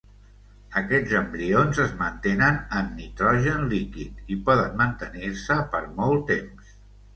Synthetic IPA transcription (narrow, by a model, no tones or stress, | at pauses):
əkɛd͡zəmbɾionzəzmənt̪enənənːit̪ɾɔʒənlikit̪ipɔðənmənt̪əniɾsəpəɾmɔlˠt̪ems